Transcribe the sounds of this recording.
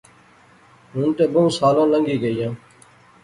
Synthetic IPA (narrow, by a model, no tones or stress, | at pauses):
ɦʊːnt̪eːbəũːsaːlãːləŋɡiːɡəijãː